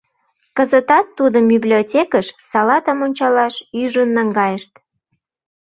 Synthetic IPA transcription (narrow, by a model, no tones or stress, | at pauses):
kəzət̪ɑt̪ːud̪əmbiblʲiotʲekəʃsɑlɑt̪əmonʲt͡ɕɑlɑʃyʒənːəŋɡɑjəʃt̪